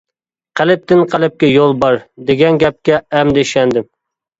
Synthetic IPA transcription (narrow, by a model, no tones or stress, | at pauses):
qʰælɪp̚t̪ɪnqʰælɪp̚kʲɛjolˠbɑɾd̪eɡʲɛnɡʲɛp̚kʲɛɛmd̪eʃɛnd̪ɪm